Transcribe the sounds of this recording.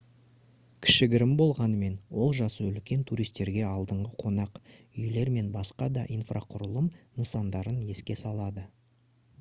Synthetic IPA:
kʲʰɪ̥ʃɪɡʲɪɾɪmbo̞lˠʁɑnəme̞nwo̞lˠʒɑsəʏlkʲe̞nt̪ʰuɾijst̪e̞ɾɡʲe̞ɑlˠd̪əɴʁəqʰo̞nɑqʏjle̞ɾme̞nbɑsqɑd̪ɑʔijnfrʔaqʰʊɾəlˠəmnəsɑnd̪ɑɾəne̞skʲe̞sɑlˠɑd̪ə

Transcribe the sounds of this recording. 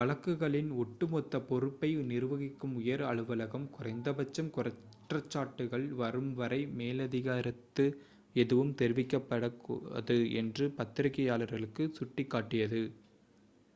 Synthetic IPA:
ʋɐɭɐkːɯɣɐɭɪnʊʈːɯmɔt̪ːɐpɔɾɯpːɐɪnɪɾɯʋɐɣɪkːɯmʊjɐɾɐɭɯʋɐlɐɣɐmkʊrɐɪnd̪ɐbɐt͡ʃːɐmkʊrɐ | ʈrɐt͡ʃːaːʈːɯɣɐɭʋɐɾɯmʋɐɾɐɪmeːlɐðɪɣaːɾɐt̪ːɯ | ɛðɯʋɯmt̪ɛɾɪʋɪkːɐpːɐɽɐkɐ̰ðɯɛ̰ndrɯpɐt̪ːɪɾɐkːɐjaːlɐɾɣɐɭɯkːɯsʊʈːɪkːaːʈːɪjɐðɯ

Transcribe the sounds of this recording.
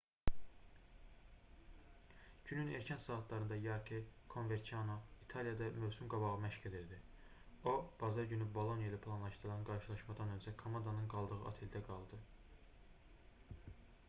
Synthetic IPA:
ɟ̥ynyneɾcʰænsɑːɑt̪lˠɑɾɯnd̪ɑjɑɾkʰekʰo̞nve̞ɾt͡ʃ̪ʰiɑnoit̪ʰɑljɑd̪ɑmøvsymɡɑbɑʁɯmæʃced̪eɾd̪i | o̞b̥ɑzɑɾɟynybo̞lˠo̞nijelɯpʰlˠɑnlˠɑʃd̪ɯɾlˠɑnɡɑɾʃɯlˠɑʃmɑd̪ɑnø̞nzækʰomɑnd̪ɑnɯnɡɑlˠd̪ɯʁɯʔɑ̰t̪ʰe̞ld̪æɡɑlˠd̪ɯ

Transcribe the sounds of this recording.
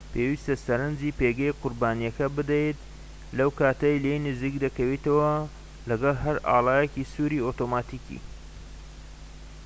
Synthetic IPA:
pʰeːwist̪ɐsɐɾɐnd͡ʒiːpeːɡɐjqʊɾbaːnijɐkɐbɨd̪ɐjt̪ | lɐwkaːt̪ɐjlejnɨziːkd̪ɐkɐwit̪ɐwɐ | lɐɡɐlˠɦɐɾa̰ːlˠɑːjecisuːɾiːot̪omaːt̪iːkḭ

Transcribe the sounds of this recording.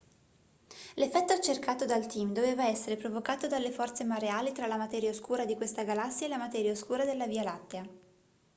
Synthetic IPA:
lefːɛt̪ːoat͡ʃːerkaːt̪od̪alt̪imd̪oveːvaɛsːeɾepɾovokaːt̪od̪alːefɔrt̪semaɾeaːlit̪ɾalamat̪ɛːɾjaoskuːɾad̪ikwest̪aɡalasːjaelamat̪ɛːɾjaoskuːɾad̪elːavialat̪ːea

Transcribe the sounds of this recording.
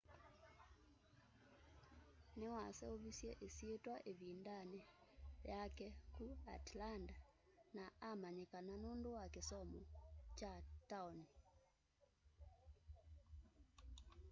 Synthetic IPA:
newasɛoβisjɛʔesietwaʔeβindanɛjakɛkua̰tlandanaʔamaɲekananondowakesɔmɔt͡ʃataoni

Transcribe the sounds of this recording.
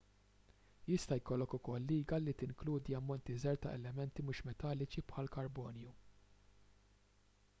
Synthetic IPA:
jɪst̪ɐjkɔlːɔkʊkɔlːiːɡɐlit̪ɪŋkluːd̪iɐmːɔnt̪izɛɾt̪ɐ̰ʔɛlɛmɛnt̪imuːʃmɛt̪ɐlːɪt͡ʃipħɐlkɐɾbɔːnju

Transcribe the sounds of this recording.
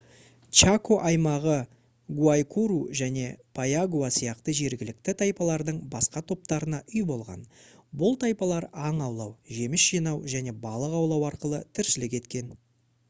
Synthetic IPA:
t͡ʃakoʔɑjmɑʁə | ɡuajkʰuɾuʒæne̞pʰajaɡuasijɑqt̪əʒe̞ɾɡʲɪlɪk̚t̪ɪt̪ʰɑjpɑlˠɑɾd̪əɴbɑsqɑt̪ʰo̞p̚t̪ɑɾənɑʔʏjbo̞lˠʁɑ̰nbʊlˠt̪ʰɑjpɑlˠɑɾɑɴɑwlˠɑwʒe̞mɪsʒ̥ijnɑwʒæne̞bɑlˠəqɑwlˠɑwɑɾqəlˠət̪ʰɪɾʃɪlɪk̬ʲe̞t̪kʲe̞n

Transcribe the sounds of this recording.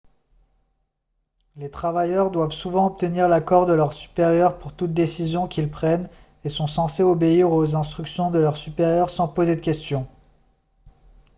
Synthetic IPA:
let̪χavajœʁd̪wavsuvɑ̃ɔp̚t̪əniʁlakɔʁd̪əlœʁsy̥peʁjœʁpuʁt̪ut̪̚d̪esizjɔ̃kʲilpχɛn | esɔ̃sɑ̃seobeiʁozɛ̃st̪χyksjɔ̃d̪əlœʁsypeʁjœʁsɑ̃pozed̪əkʲɛst̪jɔ̃

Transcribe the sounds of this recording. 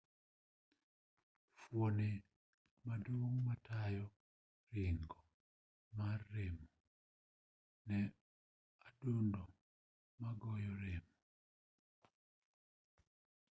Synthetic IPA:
fwone | madoŋmatajɔ | ɾɪŋɡɔ | marːemɔ | nɛ | adundɔ | maɡɔjɔɾemɔ

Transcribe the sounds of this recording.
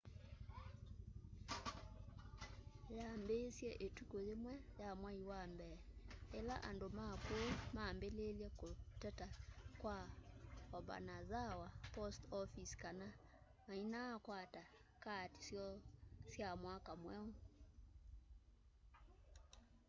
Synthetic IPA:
jambesjɛʔetukojemwɛjamwaiwambɛela̰ʔa̰ndomakoomaːmbeleljɛkotɛtakwa | ɔba̰nazawapɔstɔfiskana | mainaːkwata | kati̥sjɔsjamwakamwɛɔ

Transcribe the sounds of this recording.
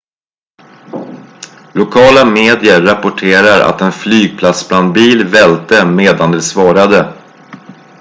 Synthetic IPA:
lʊkʰɑːlameːd̪ɪəːapʊʈʰeːɾaɾa̰t̪ɛnflyːɡ̚pʰlat̪sbland̪̚biːlvɛlt̪əmeːd̪and̪ɛsvɑːɾad̪ə

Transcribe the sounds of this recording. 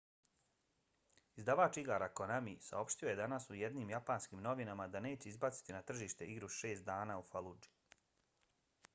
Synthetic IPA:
izd̪aʋaːt͡ʃiɡaːɾako̞namisa̰o̞pʃt̪io̞je̞d̪anasujed̪niːmjapaːnskiːmno̞ʋinamad̪ane̞ːt͡ɕeizbat̪si̥t̪inat̪r̩ʒiːʃt̪e̞ʔiɡɾuʃe̞ːst̪d̪aːnaːufalˠud͡ʒi̥

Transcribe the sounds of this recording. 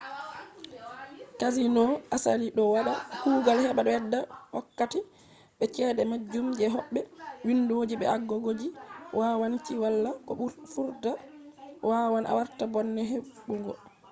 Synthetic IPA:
kazinɔʔasa̰liɗɔwaɗahuːɡalhɛɓaɗɔɛdːawɔ̰kːati | ɓɛt͡ʃɛɗɛmad͡ʒːumd͡ʒɛɦɔɓːɛwinduod͡ʒiɓɛaɡːɔɡod͡ʒiwʔawant͡ʃiwalːakɔfuɾda | wawanʔa̰waɾtabɔnːɛɦeɓuŋɡɔ

